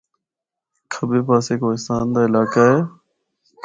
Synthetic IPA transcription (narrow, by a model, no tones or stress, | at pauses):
kʰəbeːpaːseːkoːɪst̪aːnd̪aːɪlaːkaːɦeː